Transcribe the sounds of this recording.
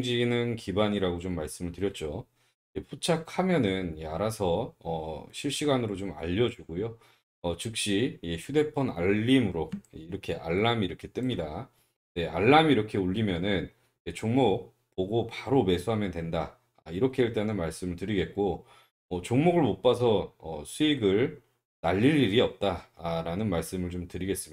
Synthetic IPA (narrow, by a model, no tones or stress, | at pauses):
ŋd͡ʑinɯnkibaɲiɾaɡot͡ɕomːaɭs͈ɯmɯɭtɯɾjʌt̚t͡ɕ͈o | epʰut͡ɕʰakʰamjʌnɯnaɾasʰʌʌɕʰiɭɕ͈iɡanɯɾot͡ɕoma̰ʎːʌd͡ʑuɡojo | ʌt͡ɕɯk̚ɕ͈ieçʰude̞pʰʌna̰ːimɯɾoiɾʌkʰe̞ʔa̰ɭːamiɾʌkʰe̞t͈ɯmɲida | ne̞ʔaɭːamiɾʌkʰe̞uʎːimjʌnɯn | et͡ɕoŋmoɡ̚ | poɡopaɾome̞sʰuɦamjʌndwe̞nda | a̰iɾʌkʰe̞eɭt͈enɯnmaɭs͈ɯmɯɭtɯɾiɡe̞t̚k͈o | ʌt͡ɕoŋmoɡɯɭmop͈asʰʌʌsʰuiɡɯɭ | naʎːiʎːiɾiʌp̚t͈aɾanɯnmaɭs͈ɯmɯɭt͡ɕomtɯɾiɡe̞s͈ɯm